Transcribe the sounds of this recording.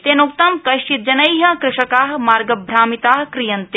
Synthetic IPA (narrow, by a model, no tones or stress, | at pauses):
t̪eːnukt̪ɐmkɐʃt͡ʃit̪̚d͡ʒɐnɐjɦɐ̃kɾɪʂɐkaːɦmaːɾɡɐbʱɾaːmit̪aːɦkɾijɐnt̪e